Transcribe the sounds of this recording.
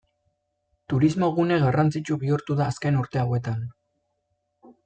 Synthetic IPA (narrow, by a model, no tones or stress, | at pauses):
t̪uɾizmo̞ɣune̞ɣarant͡sit͡ʃuβiuɾt̪uðaːske̞nuɾt̪e̞awe̞t̪an